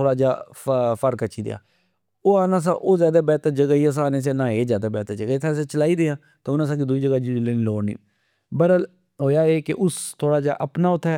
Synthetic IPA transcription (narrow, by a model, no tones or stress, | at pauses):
oːɽaːd͡ʒaːfəɾkət͡ʃːʃʰiːd̪̰ja̰ː | oːaːnãːs̬a̰ʔoːzjaːd̪aːbɛːt̪əd͡ʒəɡaːiːas̬aːnes̬eːnãːeːzjaːd̪aːbɛːt̪əd͡ʒəɡaɪt̪ʰaseːt͡ʃəlaːid̪eːãː | t̪oʊnãːsãːkid̪uːiːd͡ʒəɡaːd͡ʒileːnːloːnḭː | bəɾəl | ɦoːjaːeːkeʔʊst̪ʰoːɽaːd͡ʒa̰ːʔəpnaːʊt̪ʰːɛː